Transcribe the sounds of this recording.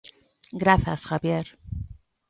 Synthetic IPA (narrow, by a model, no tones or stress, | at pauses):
ɡɾaθasxaβje̞ɾ